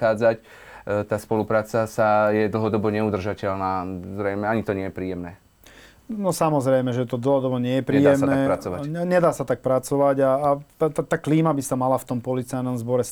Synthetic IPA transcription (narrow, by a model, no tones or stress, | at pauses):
aːd͡zac | t̪aːspɔlupɾaːt͡sasajɛd̪l̩ɦɔd̪ɔbɔɲɛud̪r̩ʒacɛʎnaːzɾɛɪmɛaɲit̪ɔɲɪɛjɛpɾiːjɛmnɛː | nɔsamɔzɾɛjmɛʒɛt̪ɔd̪l̩ɦɔd̪ɔbɔɲɪɛjɛpɾiːjɛmnɛːɾat͡sɔʋaɲɛd̪aːsat̪ak̚pɾat͡sɔʋaɟaːt̪at̪at̪aːkliːmabisamalaft̪ɔmpɔlit͡sajnɔmzbɔɾɛs